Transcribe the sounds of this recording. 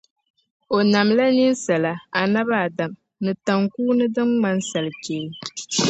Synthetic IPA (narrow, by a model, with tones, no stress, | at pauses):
o˨na˨mla˦ni˦n˦sa˨la˨a˨na˦βa˦˨da˨m | nɨ˨ta˨ŋkuː˦nɨ˦dɨ˦ŋŋ͡ma˦n˦sa˨lɨ˨t͡ʃe˨l